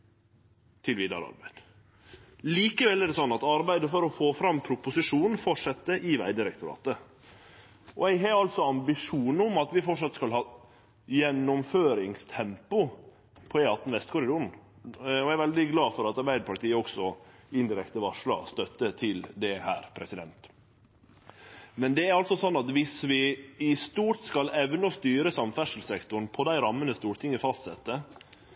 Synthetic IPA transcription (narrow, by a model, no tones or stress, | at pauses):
t̪ʰɪlʋiːd̪ɑ̰ɾɑ̰ɾbæɪd̪̥ | liːkəʋɛlːɛɖɛsɔnːɑt̪ɑɾbæɪd̪əfɔɾɔfoːfɾɑmːpʰɾʊpʊsɪʂuːnn̩fɔʈʂɛt̪ːəʔɪʋæ̰ɪd̪ɪɾɛkt̪ʊɾɑ̰ːt̪ə | ɔɛɡɦɛɾɑlt̪sɔɑmbɪʂuːnɔmɑt̪ʋɪfɔʈʂɑt̪skɑlhɑː | jɛnːʊmføːɾɪŋst̪ʰɛmpʊ | pʰɔɛɑt̪ːnʋɛst̪kʰʊɾɪd̪oːɾn̩ | ɔæɾʋɛld̪ɪɡlɑːfɔɾɑt̪ɑɾbæɪd̪əpʰɑʈiːəɔksɔ | ɪnd̪ɪɾɛkt̪əʋɑʂɭɑ̰st̪œt̪ːət̪ʰɪld̪ɛhæːɾpʰɾɛsɪd̪ɛ̰nt̪ | mɛnd̪ɛæɾɑlt̪sɔsɔnːɑt̪ʋɪsʋɪɪst̪uːɾʈ̪skɑlɛʋnɔst̪yːɾəsɑmfæʂəl̩sɛkt̪ʊn̩pʰɔd̪æɪɾɑmːənəst̪uːɾʈ̪ʰɪŋəfɑst̪sɛt̪ːə